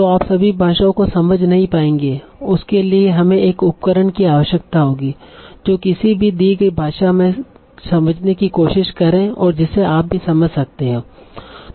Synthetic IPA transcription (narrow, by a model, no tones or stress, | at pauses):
t̪oaːpsɐbʱibʱaːʃaõkosɐməd͡ʒʱnɐɦĩpaːẽːŋɡeː | ʊskelieɦɐmẽeːkʊp̚kəɾəɳkiaːʋəʃjək̚t̪aɦoːɡiːd͡ʒoːkɪsibʱid̪iːɡɐibʱaːʃamẽ | sɐməd͡ʒʱnekikoːʃɪʃkɐɾẽɔːɾd͡ʒɪsːeaːp̚bʱisɐməd͡ʒʱsɐk̚t̪eɦɛ̃ː